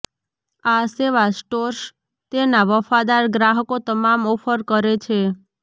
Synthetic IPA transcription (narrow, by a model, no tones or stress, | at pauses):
aseʋasʈoɾs | t̪enaʋəfad̪aɾɡɾaɦəkot̪əmamɔfəɾkəɾet͡ʃʰe